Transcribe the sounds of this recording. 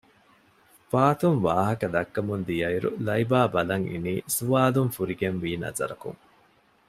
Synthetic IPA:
faːt̪uŋʋaːɦɐkɐd̪ɐkːɐmund̪ijɐiɾṵlɐibaːbɐlɐŋḭniːsuʋaːluŋfuɾiɡenʋiːnɐ̰zɐ̰ɾɐkṵŋ

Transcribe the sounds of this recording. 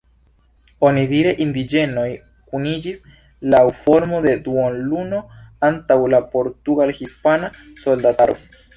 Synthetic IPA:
o̞nidiɾe̞ʔindid͡ʒe̞no̞j | kunid͡ʒis | lawfo̞ɾmo̞de̞duonluno̞antawlapo̞ɾtuɡalhispana | so̞ldataɾo̰

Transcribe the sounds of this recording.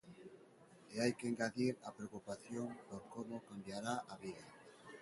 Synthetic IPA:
eajkeŋɡaðiɾapɾeokupaθjoŋpoɾkomokambjaɾaʔaβiða

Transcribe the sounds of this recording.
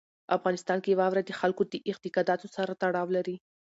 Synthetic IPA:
afɣɑnɪst̪ɑnkejwɑwɾad̪əxalkod̪əʔɪqt̪ɪkɑd̪ɑt̪osaɾat̪aɽɑwlaɾi

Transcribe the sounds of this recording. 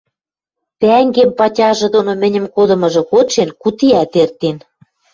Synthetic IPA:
t̪æŋɡempɑtʲɑʒɤ̆d̪onomɘ̆nʲɘ̆mkod̪ɤ̆mɤ̆ʒɤ̆koʃenkut̪iæt̪ert̪en

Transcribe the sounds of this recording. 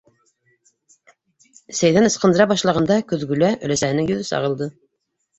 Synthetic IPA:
sæjðænɤ̆sqɤ̆nd̪ɤ̆ɾɑbɑʃlˠɑʁɑnd̪ɑkɵðɡʉlæʔɵ̆læsæhɘ̆nɘŋjɵ̆ðɵsɑ̰ʁɤ̆lˠd̪ɤ

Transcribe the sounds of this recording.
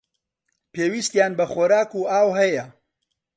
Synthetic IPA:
peːwist̪jaːnbɐχoːɾaːkuʔaːwɦɐjɐ

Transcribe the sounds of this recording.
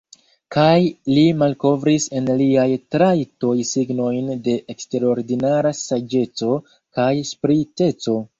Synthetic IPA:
kajlimalko̞vɾise̞nliajtɾajto̞jsiɡno̞jnde̞ʔekste̞ɾo̞ɾdinaɾasad͡ʒe̞t͡so̞ | kajspɾite̞t͡so̞

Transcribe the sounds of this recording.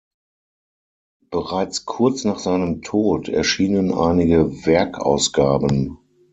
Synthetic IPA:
b̥əʁaɪt͡skʰʊɐt͡snaːχz̥aɪnəmtʰoːtʰɛ̰ɐʃiːnənʔa̰ɪnɪɡəvɛɐkʰa̰ʊsɡ̥aːbən

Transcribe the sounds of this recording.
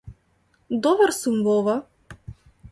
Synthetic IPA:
d̪ɔbaɾsumvɔva

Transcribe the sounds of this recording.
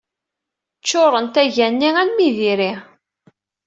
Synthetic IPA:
t͡ʃːoɾˤənt̪æʝænːiænmiðiɾi

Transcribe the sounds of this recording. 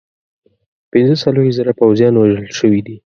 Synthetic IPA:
pɪnzəsaloɾizaɾapawzjɑnwaʒəlʃəwid̪i

